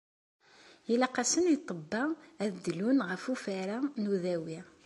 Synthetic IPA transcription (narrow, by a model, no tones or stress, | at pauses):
jilæqasənjit̪ˤːəbːɑæðd̪ːlunʁəfufæɾanuðæwi